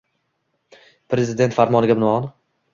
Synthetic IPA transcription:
pɾe̞zɪd̪e̞nt̪faɾmɒnɪɡʲabɪnɒn

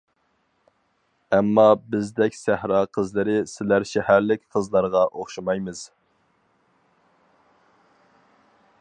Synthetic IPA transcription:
ɛmːɑbɪzd̪ɛkʲsæhɾɑːqʰəzlɨɾɪsɪlæɾʃɛhæɾlɪkʲqʰəzlˠɑɾʁɑʔoχʃɑmɑjmɨz̥

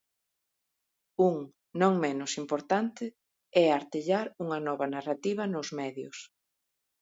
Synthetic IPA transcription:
uŋ | nõŋmenʊsimpoɾt̪ant̪ɪ | ɛaɾt̪eʎaɾuŋɐnɔβɐnarat̪iβɐnʊzmɛðjʊ̰s

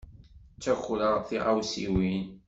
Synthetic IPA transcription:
t͡sːæxləʁθiʁawsiwin

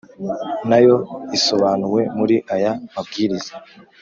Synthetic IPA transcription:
najo̞iso̞βaːnuwe̞muɾiʔajamabɡiːɾiza

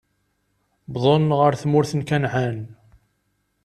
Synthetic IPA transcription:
bðˤonʁəɾθmʊɾθənkænʕan

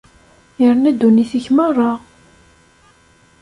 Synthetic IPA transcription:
jəɾnæd̪ːuniθiçmərˤːɑʁ

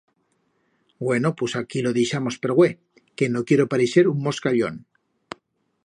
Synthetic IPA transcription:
ɡwe̞nopwesakilo̞ðiʃamo̞speɾɣwe | ke̞no̞kjeɾo̞paɾiseɾuŋmo̞skaʎo̞̰n

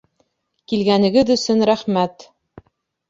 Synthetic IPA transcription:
kilɡænɘ̆ɡɘðɵ̆sɵnɾæχmæt̪

